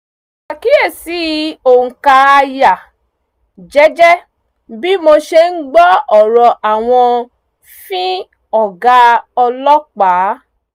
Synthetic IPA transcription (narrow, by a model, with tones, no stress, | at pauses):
a˨ki˦e˦˨si˨˦o˨ŋ̩˨ka˧a˧ja˨ | d͡ʒɛ˦d͡ʒɛ˦ | bi˦mo˧ʃe˧n̩˦ɡ͡bɔ˦ɔ˨ɾɔ˨ʔa˨w̃ɔ̃˧ | fĩ˦ | ɔ˦˨ɡa˦ɔ˧lɔ˦k͡pa˨˦